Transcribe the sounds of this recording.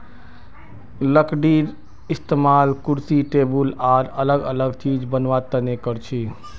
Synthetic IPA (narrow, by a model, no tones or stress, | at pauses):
ləkɖiɾ | ɪst̪emaːlkuɾsiʈebulaɾələɡələɡt͡ʃid͡ʒbənʋat̪ənekəɾt͡ʃʰi